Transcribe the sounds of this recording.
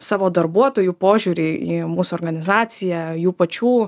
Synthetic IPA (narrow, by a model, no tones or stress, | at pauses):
sɑːʋoːd̪ɐɾbuɔt̪oːjuːpoːʒʲuːɾʲeiːmuːsʊɔːɾɡɐnʲɪzɑːt̪sʲɪjɛjuːpɐt͡ʃʲuː